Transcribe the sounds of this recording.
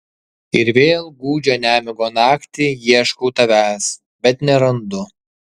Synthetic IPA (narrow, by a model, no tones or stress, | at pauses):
ɪɾʋʲeːlˠɡuːd͡ʒʲoːnʲæːmʲɪɡoːnɑːkt̪ʲijiɛʃkɔʊt̪ɐʋʲæːs | bʲɛt̪nʲɛɾɐnd̪ʊ